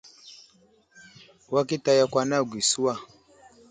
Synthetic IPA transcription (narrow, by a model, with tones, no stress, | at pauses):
wa˦ki˦ta˦ja˦kwa˦na˦˨ɡʷi˨su˦wa˦˨